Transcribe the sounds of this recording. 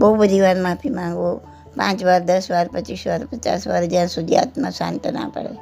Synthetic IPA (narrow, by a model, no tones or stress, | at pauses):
bəubəd̪ʱiʋaɾmãpʰimãŋɡʋo | pã̰ːt͡ʃʋaɾd̪əsʋaɾpət͡ʃisʋaɾpət͡ʃa̰sʋaɾd͡ʒjãsʊd̪ija̰t̪mãsã̰nt̪ənã̰pə̰ɽḛ